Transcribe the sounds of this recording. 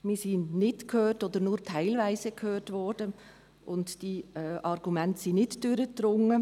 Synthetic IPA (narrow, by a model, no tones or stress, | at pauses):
miːsinnɪtkʰhøːtoːd̥̪əɾnuːɾtʰaɪlvæɪzəkʰhøːɾtvɔɹd̥ə | ʔʊntd̥iːʔɑɾɡumɛntəsɪnɪtd̥øɾətɾʊŋə